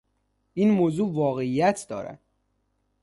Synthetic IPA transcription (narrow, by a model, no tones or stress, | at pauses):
ʔinmoːzuːvɒːɣeijæt̪ʰd̪ɒ̰ːɾæ̰d̪̥